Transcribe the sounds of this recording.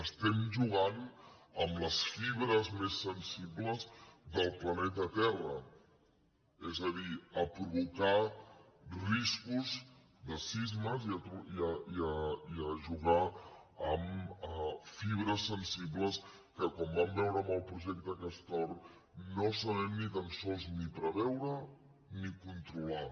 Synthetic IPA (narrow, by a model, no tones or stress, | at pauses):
əst̪ɛmʒuɣan | əmləsfiβ̞ɾəzmesːənsibləzðəlˠplənɛt̪ət̪ɛrə | ɛzəðiəpɾuβuka | riskuz | ðəsizməziət̪uiəiəiəʒuɣaəməfiβ̞ɾəsːənsibləs | kəkwɔmbambɛwɾəməlˠpɾuʒɛk̚t̪əkəst̪ɔɾ | nosəβɛmnit̪ənsɔlˠznipɾəβɛwɾə | nikunt̪ɾula